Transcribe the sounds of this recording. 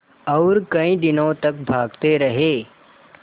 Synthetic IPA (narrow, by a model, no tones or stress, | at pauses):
ɔʊɾkɐĩd̪ɪnõt̪ɐk̚bʱaːɡt̪eɾɐɦeː